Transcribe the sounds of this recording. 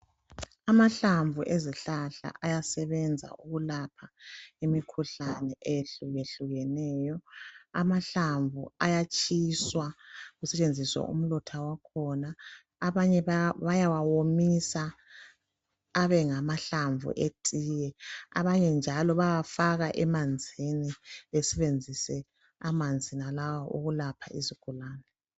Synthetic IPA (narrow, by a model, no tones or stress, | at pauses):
amaɬaɱvuʔeziɬaɬa̰ʔajasɛβɛnd͡zʱa̰ʔuɣulapʰaimikʰuɬanɛʔejeɬuɣeɬuɣɛnɛːjɔa̰maɬaɱvṵajat͡ʃʼiswaɣusɛt͡ʃʼend͡zʱiswa̰ʔṵm̩lɔtʰawakʰɔnaː | βaɲɛβajawawomisa | βɛŋamaɬaɱvṵʔetʼiːjɛa̰βaɲɛnd͡ʒʱalɔβajafaɣaʔɛmand͡zʱiniβɛsɛβend͡zʱisɛ | amand͡zʱinalawaʔuɣulapʰa̰ʔizikʰulaːnɛ